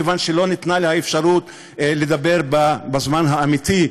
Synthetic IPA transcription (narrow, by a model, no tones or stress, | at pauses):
evanʃelo̞nit̪nalehaefʃaʁut̪ | led̪abe̞ʁbabazmanɦaːmit̪i